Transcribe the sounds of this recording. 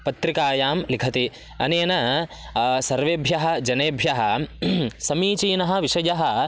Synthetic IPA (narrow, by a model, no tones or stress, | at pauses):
pɐt̪ɾikaːjaːmlikʰɐt̪i | ɐ̰neːnɐ | sɐɾʋeːbʱjɐɦɐ̆d͡ʒɐneːbʱjɐɦɐ̆ | sɐmiːt͡ʃiːnɐɦɐ̆ʋiʃɐjɐɦɐ̆